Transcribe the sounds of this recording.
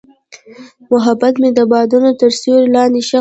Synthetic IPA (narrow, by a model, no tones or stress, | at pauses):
mʊɦabat̪med̪əbɑd̪unot̪əɾsuɾlɑnd̪eʃa